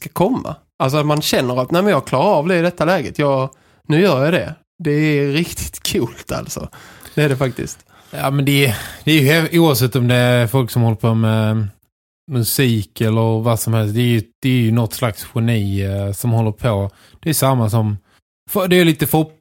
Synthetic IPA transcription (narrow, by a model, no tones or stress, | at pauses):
skakʰɔmːa̰ | als̬ɔat̪manɕɛnːəɾat̪næːmɛnjɑːɡkʰlɑːɾaɾɑːvd̪ɛɪd̪ɛt̪ːalɛːɡət̪jɑːɡ | nʉ̟ːjœːɾjad̪ɛ | d̪ɛːɾɪkt̪ʰɪ̥t̪kʰuːlt̪ʰa̰lsɔ̰d̪̥ɛæɖɛfak̚t̪ɪ̰st̪ | jaːmɛnd̪ɛd̪̥ɛæːɾjɵhɛuːavsɛt̪ːɔmd̪ɛfɔlksɔmhɔlːəɾpʰomɛ | mɵsiːkɛlːəɾvasɔmhɛlst̪d̪ɛæɾjɵd̪̥ɛːɾjɵnɔt̪ːslaksɧɛniːsɔmhɔlːəɾpʰɔ | d̪̥ɛːjsamːasɔm | fd̪ɛːɾjliːt̪əfʊ